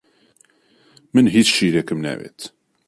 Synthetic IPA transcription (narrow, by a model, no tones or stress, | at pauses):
mənɦiθʃilækəmnæ̰wæ̰t̪